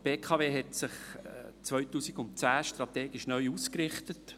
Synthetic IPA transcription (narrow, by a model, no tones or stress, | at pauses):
peːkʰɑːveːɦɛtsɪχt͡sʋœʏtuːsiɡʊntt͡sæːʃtɾɑt̪eːɡɪʃnœʏuːskɾɪχt̪ət